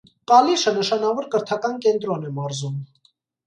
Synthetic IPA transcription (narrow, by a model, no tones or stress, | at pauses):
kɑliʃənəʃɑnɑvɔɾkəɾt̪ʰɑkɑnkɛnt̪ɾɔnɛmɑɾzum